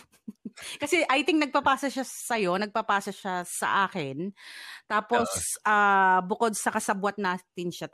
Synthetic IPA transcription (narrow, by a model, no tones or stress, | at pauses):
kɐsɛʔajt̪ɪŋnɐɡ̚pɐpaːsɐʃasɐjo̞nɐɡ̚pɐpaːsɐʃasɐ̰ʔaːkɛnt̪aːpo̞sʔaːbʊko̞d̪̚sɐkɐsɐbwɐt̪̚naːt̪ɪnʃa